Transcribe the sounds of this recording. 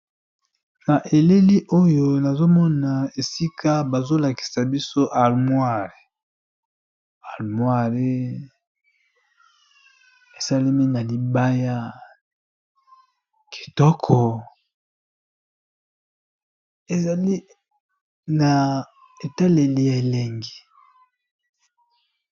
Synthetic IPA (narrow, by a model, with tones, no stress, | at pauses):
na˨ʔe˨le˦li˦ʔo˦jo˦na˨zo˦mɔ˦na˨e˨si˦kʰa˦ba˨zo˦la˨ki̥˨sa˨bi˦so˦ʔa˨lmwa˦˨ʁe˨ | a˨lmwa˦˨ʁe˦ | e˨sa˦li˦mi˦na˨li˨ba˦ja˦ | kʰi̥˨tɔ˦kʰɔ˨ | e˨za˨li˦ | na˨ | e˨ta˦le˨li˦ja˨e˨le˨ŋɡi˨